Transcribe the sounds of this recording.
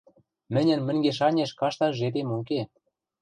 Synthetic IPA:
mɘ̆nʲɘ̆nmɘ̆ŋɡeʃ̬ɑnʲeʃkɑʃt̪ɑʒet̪emuk̬e

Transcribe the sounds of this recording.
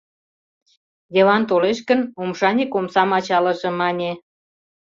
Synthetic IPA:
j̪eβɑnt̪oleʃkənomʃɑnʲikomsɑmɑt͡ɕɑlə̆ʒĕmɑnʲe

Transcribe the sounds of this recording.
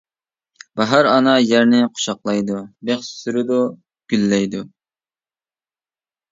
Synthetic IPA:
b̥ɑɦɑɾɑnɑjæɾnɪqʰʊ̥ʃɑqlˠɑjd̪ubeχssyɾɪd̪u | ɡ̥ʲylːɛjd̪u

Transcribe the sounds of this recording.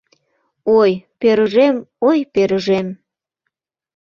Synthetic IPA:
ojpeɾəʒemojpeɾəʒem

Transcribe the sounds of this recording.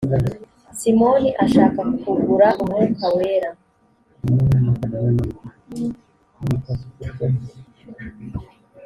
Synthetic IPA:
simo̞niʔaʃaːkakufuɡuɾaʔumŋekʰaweːɾa

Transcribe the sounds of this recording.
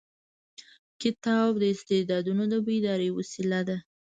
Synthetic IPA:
kɪt̪ɑbd̪əɪst̪ed̪ɑd̪unod̪əbed̪ɑɾewasilad̪a

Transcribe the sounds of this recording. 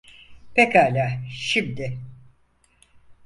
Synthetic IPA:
pʰekaːlʲaːʃimd̪ɪ

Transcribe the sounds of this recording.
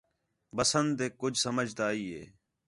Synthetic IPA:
bəsənd̪eːkʊd͡ʒʱsəməd͡ʒʱt̪aːiːɦḛː

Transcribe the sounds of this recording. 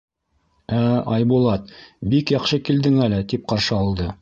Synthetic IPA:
æɑjbulˠɑt̪̚bikjɑχʃɤkild̪ɘŋælɘt̪ip̚qɑɾʃɤɑlˠd̪ɤ

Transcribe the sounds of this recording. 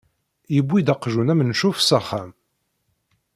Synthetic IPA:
jəbːid̪ɑqʒunæmnʃufsæχæ̰m

